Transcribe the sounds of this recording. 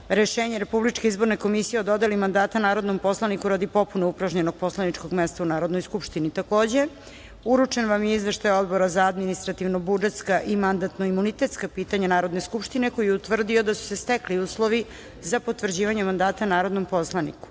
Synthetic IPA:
ɾeʃeːɲeɾe̞publit͡ʃkeizbo̞ɾneko̞misijeo̞d̪o̞d̪elimand̪aːt̪anaːɾo̞d̪no̞mpo̞slˠanikuɾad̪ipo̞punoupɾaʒɲeno̞ɡ̚po̞slˠanit͡ʃko̞ɡmest̪aunaːɾod̪no̞jskupʃt̪init̪ako̞ːd͡ʑe̞ | uɾut͡ʂenʋamjeizʋeʃt̪ajo̞d̪bo̞ɾazaad̪minist̪ɾat̪iʋnobud͡ʒe̞t̪skaʔimand̪at̪no̞imunit̪e̞t̪skapiːt̪aɲanaːɾo̞d̪ne̞skupʃt̪ine̞ko̞jɛut̪ʋr̩d̪io̞d̪asu̥se̞st̪ekliuːslˠo̞ʋi | zapo̞t̪ʋr̩d͡ʑiːʋaɲemand̪aːt̪anaːɾod̪no̞mpo̞slˠanḭku̥

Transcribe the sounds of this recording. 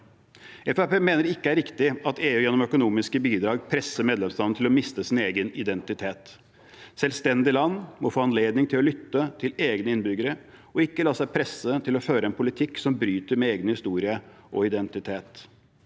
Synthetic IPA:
ɛfæpeːmeːnəɾɪkːəæɾɪkt̪ɪɑt̪eːʉːjɛnːɔmœkʊnuːmɪskəbiːd̪ɾɑːɡpʰɾɛsːəɾmeːd̪lɛmst̪ɑːnət̪ʰɪlɔmɪst̪əsɪneːɡənɪd̪ɛnt̪ɪt̪ʰeːt̪ | sɛlst̪ɛnd̪ɪlɑnːmɔfoːɑnleːd̪nɪŋt̪ʰɪlɔlʏt̪ːət̪ʰɪleːɡnəɪnbʏɡəɾə | ɔɪkːəlɑːsæɪpʰɾɛsət̪ʰɪlɔføːɾəɛnpʰʊlɪt̪ʰɪksɔmbɾyːt̪əɾmɛeːɡnəhɪst̪uːɾɪə | ʔɔ̰ɪd̪ɛnt̪ɪt̪ʰeːt̪

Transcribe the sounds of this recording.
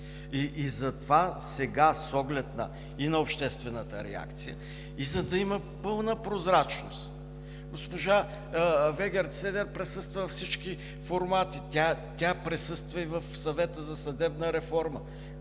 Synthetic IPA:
iʔːzɐt̪ovasɛɡasɔɡlɛt̪nɐ̰ | inɐopʃt̪ɛst̪vɛnət̪əɾɛ̰a̰kt̪sijə̰ | izɐd̪ɐimə | pɤlˠnəpɾozɾat͡ʃno̰st̪ | ɡospoʒa | vɛɡʲɛɾt̪sɛd̪ɛɾpɾɛsɤst̪vəvfsit͡ʃki | foɾmat̪it̪ʲat̪ʲapɾɛsɤst̪vəivəfsɐvɛt̪əzɐsɐd̪ɛbnəɾɛfɔɾmə

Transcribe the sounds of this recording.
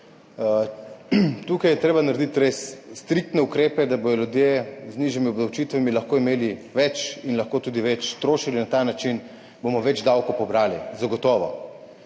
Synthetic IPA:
t̪uːkajɛt̪ɾeːbanaɾed̪it̪ɾesːt̪ɾikt̪nɛukɾeːpɛd̪abod̪ɔljud̪jezniʒimiɔbd̪awt͡ʃit̪ʋamilɐxkoːimeːliʋɛt͡ʃinlɐxkoːt̪uːd̪iʋɛt͡ʃt̪ɾoːʃilinat̪anat͡ʃin | bomɔʋɛd͡ʒd̪awkɔpɔbɾaːlḭzaɡɔt̪ɔːʋɔ̰

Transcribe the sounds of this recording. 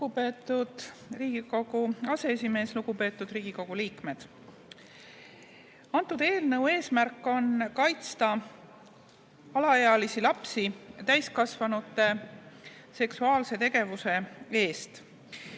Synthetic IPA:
upe̞ːt̪ːˑud̪̥riːɡ̥iko̞ɡ̥uɑse̞esʲime̞ːsluɡ̥upe̞ːt̪ːˑud̪riːɡ̥iko̞ɡ̥uliːkme̞d̪̥ | ɑnt̪ːˑud̪̥e̞ːlne̞we̞ːsmærkːˑo̞nkɑjt̪st̪ɑ | ɑlɑeɑlisilɑpsit̪æjskɑsvɑnut̪ːˑe̞ | se̞ksuɑːlse̞t̪e̞ɡ̥e̞vuse̞e̞ːst̪

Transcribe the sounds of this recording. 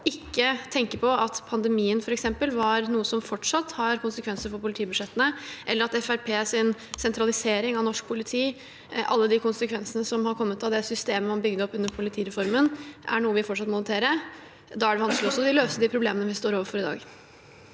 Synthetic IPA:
ɪkːət̪ʰɛŋkəpʰɔɑt̪pʰɑnd̪ɛmiːənfɔɾɛksɛmpəlʋɑɾnuːəsɔmfɔʈʂɑt̪ːhɑɾkʰʊnsəkʰʋɛnsəɾfɔɾpʊlɪt̪iːbʉd̪ʂɛt̪ːənəʔɛləɾɑt̪ɛfæɾpʰeːsɪnsɛnt̪ʰɾɑlɪseːɾɪŋɑʋnɔʂk̚pʰʊlɪt̪ʰiː | ʔɑ̰lːəd̪ɪkʰʊnsəkʰʋɛnsənəsɔmhɑɾkʰɔmːət̪ɑʋd̪ɛsʏst̪eːməmɑnbʏɡd̪əɔpːʉnːəɾpʰʊlɪt̪ʰiːɾɛfɔɾmənʔæ̰ɳuːəʋɪfɔʈʂɑt̪mʊlət̪ʰeːɾə | d̪ɑːæɖɛʋɑnsklɪɔsːɔd̪ɪløːst̪əd̪ipʰɾʊbleːmənəʋɪst̪oːɾoːʋəɾfɔɾɪd̪ɑ̰ːɡ

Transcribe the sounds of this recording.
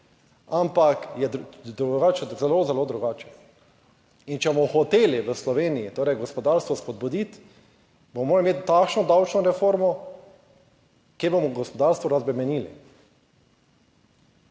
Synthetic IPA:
ampakjɛd̪d̪ɾuɡaːt͡ʃɛzɛlozɛloːd̪ɾuɡaːt͡ʃɛ̥ | int͡ʃɛbomɔxɔt̪eːliʋəslɔʋeːnijit̪oːɾɛjɡɔspɔd̪aːɾst̪ʋɔspɔd̪̚bud̪it̪ | bomɔmoːɾalimeːt̪t̪ːaːkʃnɔd̪awt͡ʃnɔɾɛfoːɾmɔ | kjebomɔɡɔspɔd̪aɾst̪ʋɔɾazbɾɛmɛniːlḭ

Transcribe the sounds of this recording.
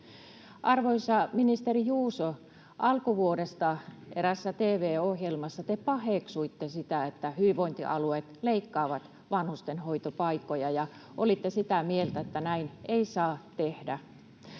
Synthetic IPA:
ʔɑrʋoisɑminist̪erijuːso | ʔɑlkuʋuodest̪ɑeɾæsːæt̪eːʋeːohjelmɑsːɑt̪epɑheksuit̪ːesit̪æet̪ːæhyʋiʋoint̪iʔɑluet̪leikːɑːʋɑt̪ | ʋɑnhust̪enhoit̪opɑikːojɑjɑ | ʔolit̪ːesit̪æmielt̪æet̪ːænæineisɑːt̪ehdæ

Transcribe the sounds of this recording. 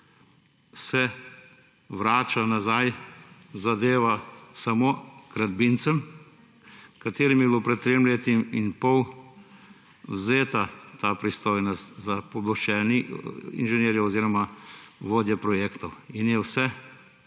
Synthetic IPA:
sɛ | ʋɾaːt͡ʃanazajzad̪eːʋasamoɡɾad̪bint̪səm | kat̪eːɾimjɛbilopɾɛt̪̚t̪ːɾeːmleːt̪iminpɔw | wzeːt̪at̪aːpɾist̪oːjnɔst̪zapɔblɔt͡ʃɛːniḭnʒɛneːɾjɛɔziːɾɔmaʋoːd̪jɛpɾɔjeːkt̪ɔwinjɛwsɛ

